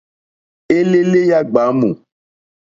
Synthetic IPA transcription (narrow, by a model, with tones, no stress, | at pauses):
e˦le˦le˦ja˦ɡ͡ba˨˦mõ̰˨